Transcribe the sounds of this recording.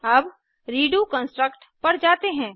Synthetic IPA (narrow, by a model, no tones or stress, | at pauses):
ɐb | ɾiːɖukə̃nsʈɾəkʈ | pɐɾd͡ʒaːt̪eɦɛ̃ː